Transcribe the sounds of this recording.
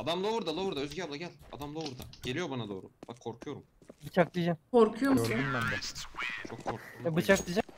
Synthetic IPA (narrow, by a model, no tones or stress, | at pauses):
ad̪amlˠovuɾd̪alˠovuɾd̪aøzɡʲablˠaɟɛlʲa̰d̪amlˠovuɾd̪a̰ɟe̞lʲijo̞banad̪o̞ːɾub̥akʰːo̞ɾkʰujo̞ɾumbɯt͡ʃʰakd̪id͡ʒamkʰoɾkʰujomoummanb̪at͡ʃʰokʰːoɾkʰuɛbɯt͡ʃʰak̚d̪id͡ʒam